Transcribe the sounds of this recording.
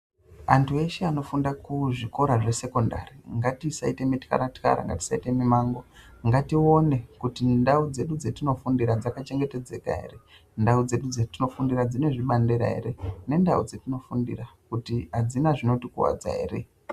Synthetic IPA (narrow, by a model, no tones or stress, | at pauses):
antʰue̞ʃeano̞fundakuʐiko̞ɾaʐe̞se̞ko̞nda̰riŋɡatisaite̞mitka̰ɾatka̰ɾa̰ŋɡa̰ti̥saite̞mimaːŋɡo̞ŋɡatio̞ne̞kutindaud͡ze̞ɗud͡zetino̞fundiɾad͡zakat͡ʃe̞ŋɡe̞te̞d͡ze̞̰ka̰ɦe̞̰ɾe̞ | ndaud͡ze̞ɗud͡zetino̞fundiɾad͡zine̞ʐiɓandeɾa̰ɦe̞̰ɾe̞ne̞ndaṵd͡zetino̞fundḭrakutiɦad͡zinaʐino̞tikuwa̰d͡za̰ɦe̞̰ːre̞̰